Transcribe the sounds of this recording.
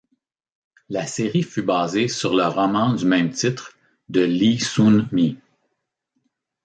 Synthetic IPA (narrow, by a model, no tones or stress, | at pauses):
laseːʁifybaːzesyʁləʁɔmɑ̃d̪ymɛ̃mt̪it̪χ | d̪əlisunmi